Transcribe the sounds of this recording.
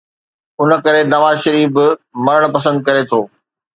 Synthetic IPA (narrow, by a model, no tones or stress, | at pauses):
ʊnəkɐɾenɐʋaːʃɐɾiːbmɐɾəɽ̃pɐs̬ə̃nd̪̚kɐɾet̪ʰoː